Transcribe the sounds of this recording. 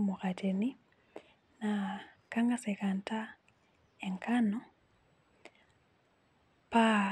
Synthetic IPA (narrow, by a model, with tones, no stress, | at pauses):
mʊ˨ka˨tʰe˨ni˦ | nakaŋɡa˦sɛ˨ka˨nta˦ | ɛŋkʰanɔ˦ | pa